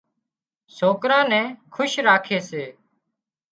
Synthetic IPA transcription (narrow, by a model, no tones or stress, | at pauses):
soːkɾãːnɛ̃ːkʰʊʃɾaːkʰeːseː